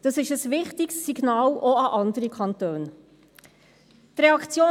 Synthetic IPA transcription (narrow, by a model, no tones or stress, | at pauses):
d̥ɑsɪʃəsʋɪχtɪksːiɡ̥nɑːloɑʔɑndəɾikʰɑnt̪øːn | t̪ɾɛɑkt͡sjoː